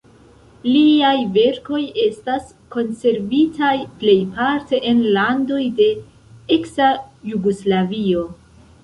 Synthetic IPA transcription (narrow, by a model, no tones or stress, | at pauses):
liajve̞ɾko̞je̞stas | ko̞nse̞ɾvitajple̞jpaɾte̞ʔenlando̞jde̞ | eksajuɡoslavio̞